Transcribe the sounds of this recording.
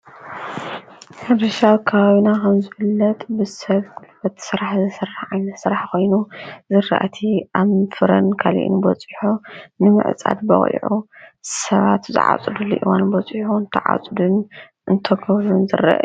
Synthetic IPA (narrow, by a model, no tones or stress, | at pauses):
ħɨd̪ɨʃawkʰɐβaβinakʰɐmzɨfɨlːɐt̪ʼbɨsɐβkʰulfɐt̪sɨɾaħzɨsɨraħʕajnɐt̪sɨɾaħkʰo̞jnuzɨra̰ʔat̪ʰiʔaβfɨɾɐnkʰalḭʔnbɔt͡sʼiħunɨmɨ̰ʕɨt͡sʼa̰d̪bɐ̰χʼḭʕusɐβa̰t̪zɨ̰ʕa̰t͡sʼɨd̪uliʔiwanbɔt͡sʼħħunt̪ʰɐʕa̰t͡sʼd̪un | ʔɨnt̪ʰɐɡʰɐβɾunzɨ̰ra̰ʔ